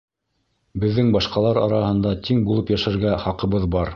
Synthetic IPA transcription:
bɘ̆ðːɘŋbɑʃqɑlˠɑɾɑɾɑhɤ̆nd̪ɑt̪iŋbulˠɤpjæʃæɾɡæχɑqɤ̆βɤðbɑɾ

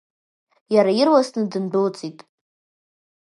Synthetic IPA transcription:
jaɾajɪrwasnɨdɨnbʊlt͡sʼitʼ

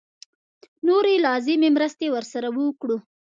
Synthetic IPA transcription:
noɾelɑzɪmemɾəst̪ewəɾsaɾawəwkɽu

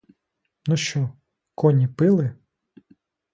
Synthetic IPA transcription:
nuʃt͡ʃɔ | kɔnʲipɪlˠɪ

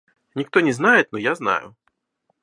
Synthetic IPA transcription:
nʲikt̪ɔnʲɛznajɛt̪nɔjazna̰jʊ̰

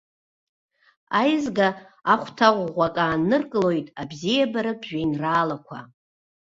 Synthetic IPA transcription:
ajzɡa | aχʷtʰaʁʷʁʷakʼaːnːɨrkʼɨlo̞jtʼabzijabaɾɨbʒᶣajnraːlakʷʰa̰

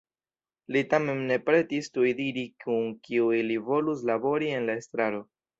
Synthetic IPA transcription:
litame̞mne̞pɾe̞tistujdiɾikunkiuilivo̞lus̬labo̞ɾie̞nlae̞stɾaɾo̞

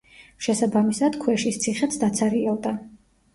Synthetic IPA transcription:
ʃɛsabamisad̪̥kʰwɛʃist̪sʰiχɛt̪sd̪at̪sʰaɾiɛld̪a

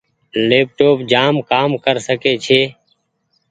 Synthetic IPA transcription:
leːp̚ʈoːpd͡ʒaːmkaːmkəɾsəkeːt͡ʃʰeː

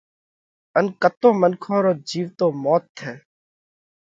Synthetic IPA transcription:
ənkət̪oːmənkʰõːɾoːd͡ʒiːʋt̪oːmɔːt̪ʰːeː

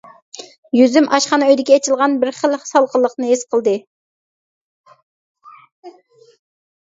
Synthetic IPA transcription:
jyzymʔɑʃqɑnøjd̪ɪkʲɛːt͡ʃʰɪlˠʁɑnbɪɾχəlˠsɑlˠqəlˠːəqnɨesqʰəlˠd̪ɨ

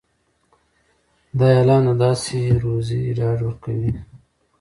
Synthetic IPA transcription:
d̪ɑjɑlɑːnad̪ɑseɾoziɖɑɖwəɾkawi

